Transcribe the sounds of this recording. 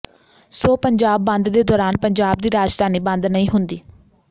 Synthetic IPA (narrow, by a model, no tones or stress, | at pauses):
soːpəɲd͡ʒaːbːə̃nd̪d̪eːd̪ɔːɾaːnpəɲd͡ʒaːb̚d̪iːɾaːd͡ʒd̪ʱaːniːbə̃nd̪nəĩːɦʊnd̪iː